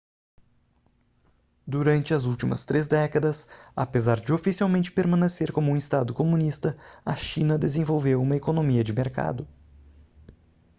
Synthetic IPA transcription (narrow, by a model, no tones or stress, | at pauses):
d̪uɾɐ̃nt͡ʃɪɐzuwt͡ʃimɐ̰st̪ɾezd̪ɛkɐd̪ɐsɐ̰pezaɾd͡ʒɪofisiawmẽnt͡ʃɪ̥peɾmɐ̃neseɾkõmʊũist̪ad̪ʊkomũnist̪ɐɐʃĩnɐd̪ezẽvowvewũmɐekonomiɐd͡ʒɪmeɾka̰d̪ʊ